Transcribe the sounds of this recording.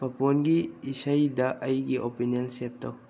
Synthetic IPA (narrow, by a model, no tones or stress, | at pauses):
pɐponɡiːsajdɐʔɐjɡiʔopiniɔnsep̚tɐw